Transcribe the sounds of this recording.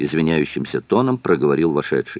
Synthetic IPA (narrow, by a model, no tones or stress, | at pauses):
ɪzvʲɪnʲæjʉɕːɪmsʲət̪o̞nəmpɾəɡəvɐɾʲilˠvɐʂɛ̰t̪ʂɨj